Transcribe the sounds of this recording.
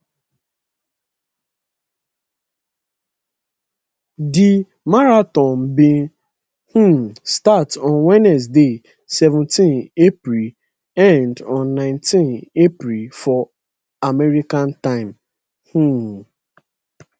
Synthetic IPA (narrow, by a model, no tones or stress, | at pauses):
dɪ | maɾatɔ̃nbɪ | hũmstatɔ̃nwɛnɛs̬de | sɛvʊ̃ntĩnepɾil | ɛ̃ndɔ̃nːãɪ̃ntĩnepɾifɔ | amɛɾikãntãɪ̃m | hũ